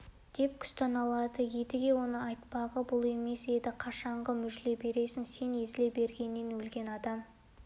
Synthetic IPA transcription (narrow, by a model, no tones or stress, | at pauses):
d̪̥e̞p̚kʲʰʏ̥st̪ɑnɑlˠɑd̪əje̞d̪ɪɡʲe̞wo̞nəɑjt̪pɑʁəbʊlˠe̞me̞se̞d̪ɪqʰɑʃɑɴʁəmʏʒle̞be̞ɾe̞sɪnse̞nezɪle̞be̞ɾɡʲe̞nːenwɵlɡʲe̞nɑd̪ɑm